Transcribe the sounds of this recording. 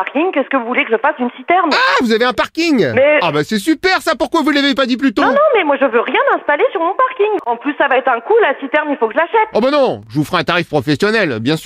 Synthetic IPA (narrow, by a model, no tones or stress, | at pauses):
aʁkʲiŋkɛskəvuvulekəʒəfasynsit̪ɛʁmavuzaveɛ̃paʁkʲiŋmɛabasɛsypɛʁsapuʁkwavulavepad̪ip̬lyt̪õnɔ̃mɛmwaʒəvøʁjɛ̃mɛ̃st̪alesyʁmɔ̃paʁkʲiŋɑ̃plysːavaɛt̪χɛ̃kulasit̪ɛʁmilfokəʒəlaʃɛt̪ɔbanɔ̃ʒəvufʁɛɛ̃t̪aʁifpχɔfɛsjɔnɛlbjɛ̃sy